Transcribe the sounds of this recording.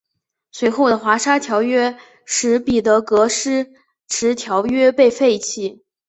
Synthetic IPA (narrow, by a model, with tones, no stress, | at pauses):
swe˧˥ɪxo˥˩ʊd̪ə˩xwa˧˥ʂa˥t̪ʰjɑ˧˥ʊɥɛ˥ | ʂɻ̩˧˥pi˨˩t̪ɤ˧˥kɤ˧˥ʂɻ̩˥ | ʈ͡ʂʰɻ̩˧˥t̪ʰjɑ˧˥ʊɥɛ˥pe˥˧ɪfe˥˩ɪt͡ɕʰi˧˨˩